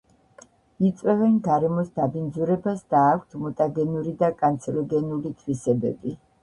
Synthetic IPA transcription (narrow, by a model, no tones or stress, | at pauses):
it̪sʼwɛvɛnɡaɾɛmɔsd̪abind̪zuɾɛbasd̪aːkʷʰt̪ʰmɔt̪ʼaɡɛnuɾid̪akʼant̪sʰɛɾɔɡɛnulit̪ʰwisɛbɛbi